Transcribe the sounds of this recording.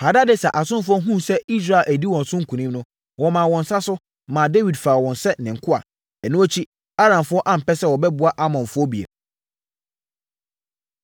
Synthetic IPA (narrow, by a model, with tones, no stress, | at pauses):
ha˨da˦dɪ˦sɛ˨ʔa˨sʊ̃˦n˦fʊ˦ɔ˦ɦũ˦sɛ˦i˦s̬ɾa˦˨ʔæ˨di˦wɔ̃˨n˨sʊ̃˦ŋ̩˦kʰũ˨nĩ˦mnʊ̃˦ | wɔ˨mã˨wɔ̃˨n̩˨sa˦sʊ˦ | mã˨de˦wi˨dfa˨wɔ̃˨nsɛ˦nɪ̃˨ŋ̩˨kʰʊ˦a̰˨ | ɛ˨nʊ̃˦ɔ˦t͡ɕʰi˦ | a˦ɾã˨mfʊ˦ɔ˦ʔa˦˨m̩˨pɛ˦sɛ˦˨wɔ˨bɛ˦bʊ˨˦a˦ʔa˦mɔ̃˨nfʊ˦ɔ˦bi˨ḛ˨